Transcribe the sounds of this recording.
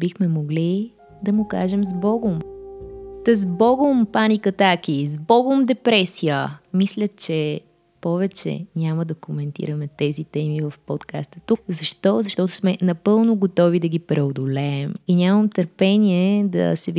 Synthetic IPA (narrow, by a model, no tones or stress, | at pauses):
bixmɛmoɡli | d̪ɐmʊka̰ʒɛmzbɔɡʊm | t̪əzbɔɡʊmpanikɐt̪ak̟izbɔɡʊmd̪ɛpɾɛsijəmislʲət͡ʃɛ | pɔvɛt͡ʃɛ̰nʲaməd̪ɐkomɛnt̪ḭɾəmɛt̪ɛzit̪ɛmivɐfpɔt̪kast̪ət̪ukzɐʃt̪ɔzɐʃt̪ɔt̪ʊ̥smɛnɐpɤlˠnʊɡot̪ɔvid̪ɐɡipɾɛod̪olɛɛminʲaməmt̪əɾpɛniɛd̪ɐ̰sɛv